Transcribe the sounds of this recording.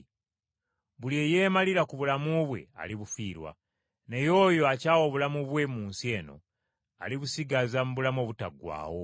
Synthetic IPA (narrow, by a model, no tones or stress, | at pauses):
βulieje̞ːmaliɾakuβulamuβwe̞̰a̰liβufiːɾwa̰ | ne̞jo̞ːjo̞acaːwo̞βulamuβwe̞muːnsie̞ːno̞̰ | a̰liβusiɡazamuβulamo̞ːβutaɡwa̰ːwo̞